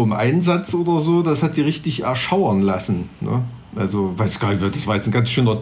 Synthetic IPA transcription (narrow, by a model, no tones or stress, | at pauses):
ɪmʔa̰ɪnzat͡sʔoːdɐzoːdashat̚d̥iːʁɪçtɪçɛ̰ɐʃaʊɐnlasn̩nə̰ | ʔa̰lzovaɪsɡ̥aːnɪçvɪd̥asv̥aːɐjɛt͡sn̩ɡansʃøːnɐ